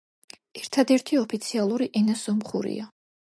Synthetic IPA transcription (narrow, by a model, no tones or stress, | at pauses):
ɛɾt̪ʰad̪ɛɾt̪ʰiɔpʰit̪sʰialˠuɾiʔɛnasɔmχṵɾḭa